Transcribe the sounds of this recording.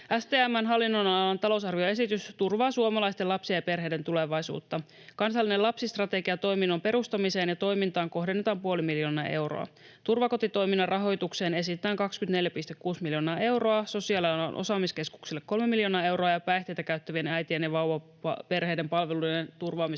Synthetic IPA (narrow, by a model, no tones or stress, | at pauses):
ʔæst̪eːæmːænɦɑlːinːonɑlɑnt̪ɑlo̞wsɑrʋio̞e̞sit̪yst̪urʋɑːsuomɑlɑjst̪elɑpsiɑjɑpe̞rɦejde̞nt̪uleʋɑjsṵːt̪ːɑ | kɑnsɑlːinelɑpsist̪rɑt̪e̞ɡiɑt̪o̞jminːompe̞ɾust̪ɑmise̞ːnjɑt̪o̞jmint̪ɑːŋko̞ɦdenːet̪ɑːmpuo̞limiljo̞ːnɑʔe̞wro̰ɑ̰ | t̪urʋɑko̞t̪it̪o̞jminːɑrʔɑɦo̞jt̪ukse̞ːne̞s̬it̪et̪ːˑæːŋkɑksk̟ynt̪neljæpist̪ekkuːsmiljo̞ːnɑːʔe̞wro̞ɑso̞siɑliɑlɑ̰nʔo̰sɑːmiske̞sku̥ksilːekːo̞lmemiljo̞nɑːe̞wɾoɑjɑpæjht̪e̞jt̪ækæyt̪ːæʋienæjt̪ienjɑʋɑwʋɑ | ɑ̰pe̞rɦe̞jde̞mpɑlʋelujdent̪urʋɑːmi